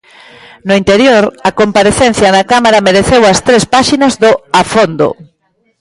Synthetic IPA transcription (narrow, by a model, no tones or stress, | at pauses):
nʊint̪eɾjoɾɐkompaɾeθen̟θjɐnɐkamaɾɐmeɾeθewɐst̪ɾespaʃinɐzðʊafond̪o̰